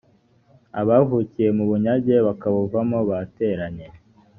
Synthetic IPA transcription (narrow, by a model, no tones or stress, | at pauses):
aβaːvuːcije̞muβuɲaɟe̞βakaβuvamoβate̞ɾaɲe̞